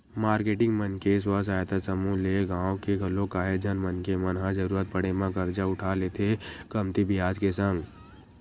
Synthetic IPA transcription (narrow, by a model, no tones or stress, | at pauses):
maːɾkeːʈɪ̃ŋɡmənkes̬was̬aːjət̪asəmuleɡãːõkeɡʱɐlõkaːɦed͡ʒənmənkemɐnɦãd͡ʒəɾuːɾət̪̚pəɽemãkəɾd͡ʒaʊʈʰaːlet̪ʰekəmt̪ibɪjaːd͡ʒkesə̃ŋɡ